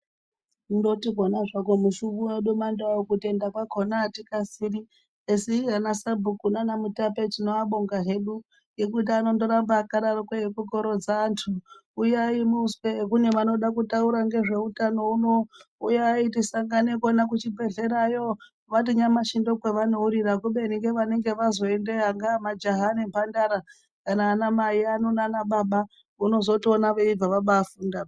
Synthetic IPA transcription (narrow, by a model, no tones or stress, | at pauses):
ndotiɡʱonaʐakomuʃuβueɗumandaokutie̞ndakwakonaːtikasiri | esiɦanasabʱukunanamutapetino̞aɓoŋɡaɦeɗu | je̞kut̬iano̞ndo̞ɾambaːkaɗarokaekuko̞ɾo̞d͡zaːntʰuː | jaimuswekune̞ʋano̞ɗakutauɾaŋɡe̞ʐe̞utano̞unoujaitisaŋɡanekonak̬ut͡ʃibʱe̞ɮe̞ɾajo | ʋat̬iɲamaʃindo̞kweʋanouɾiɾakuɓe̞niŋɡe̞ʋane̞ŋɡe̞ʋazo̞endeaŋɡaːmad͡ʒaɦanempandaɾa | kanaːnamaianonaːnaɓaɓa | uno̞zo̞tionaʋeib͡vaʋaɓaːfuːnda